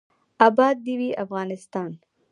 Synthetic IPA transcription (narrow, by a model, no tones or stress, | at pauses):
abɑd̪̚ːiwiafɣɑnɪst̪ɑːn